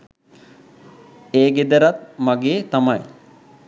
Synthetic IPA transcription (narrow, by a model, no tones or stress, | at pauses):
eːɡed̪əɾat̪̚maɡeːt̪amaj